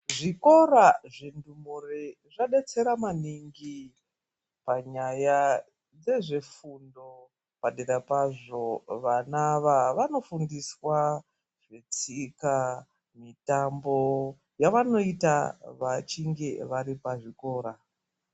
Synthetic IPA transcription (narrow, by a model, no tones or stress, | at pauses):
ʐiko̞raʐendumure | ʐaɗe̞t͡se̞ɾamaniŋɡi | paɲaja | d͡ze̞ʐe̞fundo̞ | paɗeɾapaʐo̞ʋanaʋaʋano̞fundiswa | ʐ̥e̞t͡sika | mitambo̞ | jaʋano̞itaʋat͡ʃiŋɡeʋaɾipaʐiko̞ːɾa